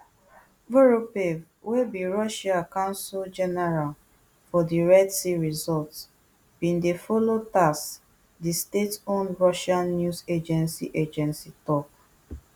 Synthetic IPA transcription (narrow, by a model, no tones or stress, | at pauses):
voɹopev | webiɹɔʃakãʊ̃nsild͡ʒɛnɛɹal | fɔdiɹɛdsiɹizɔlts | b̥ĩndefolotas | distetõnɹɔʃãnnjuzed͡ʒɛ̃nsḭʔed͡ʒɛ̃nsitɔp̚